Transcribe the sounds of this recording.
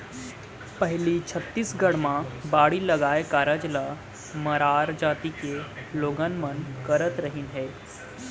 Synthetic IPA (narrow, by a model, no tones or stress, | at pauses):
pəɦlit͡ʃʰət̪ːiːsɡəɽmabaːɽiləɡaːekaːɾəd͡ʒla | məɾaːɾd͡ʒaːt̪ikeloːɡanmənkəɾət̪ɾəɦinɦeː